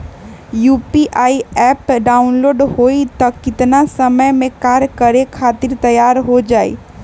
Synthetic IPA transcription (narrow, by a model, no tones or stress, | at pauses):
juːpiʔaːiɛːpɖaːʊnloːɖɦoːit̪ɐkɪt̪nasɐməjmẽkaːɾkɐɾekʰaːt̪ɪɾt̪ɐjaːɾɦod͡ʒaːḭː